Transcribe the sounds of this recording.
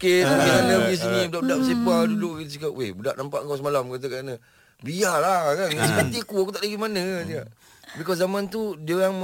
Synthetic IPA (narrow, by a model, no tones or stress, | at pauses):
keianəbis̬inibədaʔbədaʔsipadudʊʔɡit̪s̬ikaʔwehbəda̰ʔnampaʔŋkawsəmalamkat̪̬əkaanə | bialakansəkət̪iakuakut̪aʔdaɡimanəsiaʔ | bikazamant̪udiəjaŋm